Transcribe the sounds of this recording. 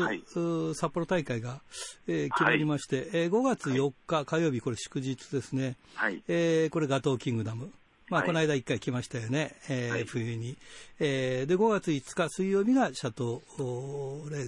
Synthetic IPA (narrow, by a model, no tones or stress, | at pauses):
sapːo̞ɾo̞t̪aikaiɡaeːkʲimaɾʲimaɕi̥t̪e̞ʔeɡo̞ɡat͡sɨjo̞kːakajo̞ːbʲiko̞ɾe̞ɕɨ̥kɯ̟ʑit͡sɨd̪e̞sɨne̞ː | ko̞ɾeɡat̪o̞ːkʲĩŋɡɯ̟d̪amɯ̟ | mako̞naid̪aikːaikʲimaɕi̥t̪ajo̞ne̞ːɸɯ̟jɯɲ̟ied̪e̞ɡo̞ɡat͡sɨit͡sɨ̥kasɨijo̞ːbʲiɡaɕat̪o̞ | ɾe̞ː